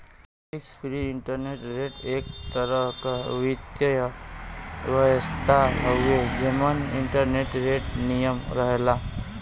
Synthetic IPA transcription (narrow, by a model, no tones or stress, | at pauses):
ikspʰiɾiiɳʈəɾneʈɾeʈek̚t̪əɾəɦkaʋit̪jəj | ʋəjəst̪ʰaɦəwed͡ʑemənḭɳʈəɾneʈɾeʈnijəmɾəɦla